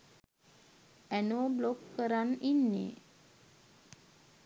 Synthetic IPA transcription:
ænoːblokːəɾaninːḛ

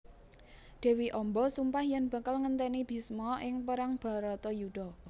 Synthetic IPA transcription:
d̪̥ɛ̤wiʔɔmbɔsumpahjanb̥ä̤kalŋənt̪ɛnib̥i̤smɔʔɪŋpəɾaŋb̥a̤ɾɔt̪ɔjuɖ̥ɔ̤

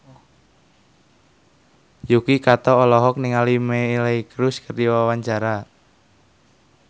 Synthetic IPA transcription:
jukikat̪ɔːlɔɦɔk̚niŋalimeleikɾʊskərdiwawaɲt͡ʃaɾa

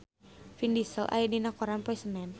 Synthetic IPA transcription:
findisəlʔa̰jadinakɔɾanpɔisənɛn

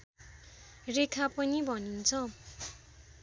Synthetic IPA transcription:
rekʰapʌnibʱʌnint͡sʰʌ

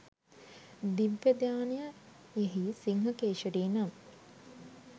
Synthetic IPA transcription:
d̪iʋːɐd̪jaːnijə | eɦisiŋɦɐkeːʃɐɾiːnam

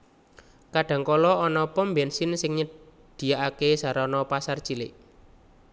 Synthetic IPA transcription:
kaɖ̥ä̤ŋkɔlɔɔnɔpɔmbɛnsɪnsɪŋɲə | d̪̥i̤jaʔakesaɾɔnɔpasart͡ʃilɪʔ

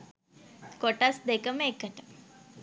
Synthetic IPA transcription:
koʈasd̪ekəməekət̪ə̥

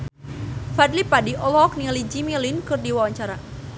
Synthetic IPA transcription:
fadlipadiʔɔlɔk̚nilid͡ʒimilinkɨrdiwawaɲt͡ʃaɾa

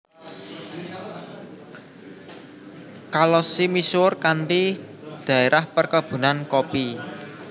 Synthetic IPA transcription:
kalɔsimisʊrkanʈi | d̪̥ä̤eɾʔahpərkab̥ṳnankopi

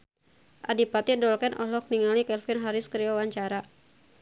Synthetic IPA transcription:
ʔa̰dipat̪idɔlkɛnʔɔ̰lɔk̚niŋalikɛlfinɦaɾɪskɾiɔwaɲt͡ʃaɾa

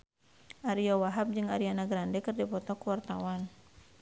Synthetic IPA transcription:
ʔaɾijawaɦap̚d͡ʒɨŋaɾianaɡɾandɛkɨrdipɔt̪ɔkuwart̪awan

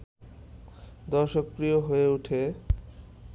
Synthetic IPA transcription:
d̪ɔɾʃokːɾijoɦoeuʈʰe

